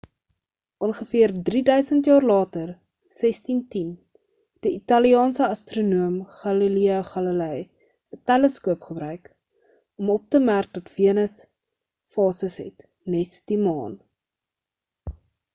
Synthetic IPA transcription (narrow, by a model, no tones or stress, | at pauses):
ʔɔnχəfiərdridœɥsəntjɑːrlɑːtər | sɛstintin | d̥əitɐliɑːnsəɐstrunuəmχɑliliɐχɐləlɛj | ətɛləskuəpχəbɾœɥk | ɔmɔp̚təmærk̚dɐtviənəs | fɑːsəsɦɛ̰t | nɛsd̥imɑːn